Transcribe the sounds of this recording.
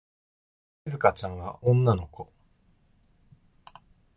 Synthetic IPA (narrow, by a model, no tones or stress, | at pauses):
izɨkat͡ɕãɰ̃βaʔõ̞nːano̞ko̞